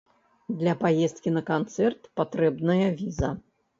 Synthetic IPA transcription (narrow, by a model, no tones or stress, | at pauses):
d̪lʲɐpajɛst̪̚kʲinɐkant̪sɛrt̪pat̪ɾɛbnɐjɐvʲizɐ